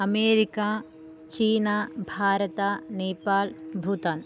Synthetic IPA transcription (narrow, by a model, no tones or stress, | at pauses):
ɐmeːɾikaː | t͡ʃiːnaːbʱaːɾɐt̪aːneːpaːlbʱut̪an